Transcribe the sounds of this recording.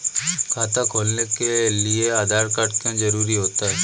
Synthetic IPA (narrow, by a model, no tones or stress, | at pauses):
kʰaːt̪akʰoːlnekelieaːd̪ʱaːɾkaʈkãd͡ʒɐɾuːɾiɦoːt̪aɦɛː